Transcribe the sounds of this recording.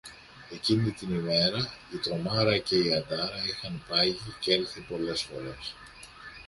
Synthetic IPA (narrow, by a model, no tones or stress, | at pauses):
e̞cinit̪inime̞ɾɐit̪ɾo̞mɐɾɐce̞iɐnd̪ɐɾɐixɐnpɐʝicelθipo̞le̞sfo̞ɾe̞s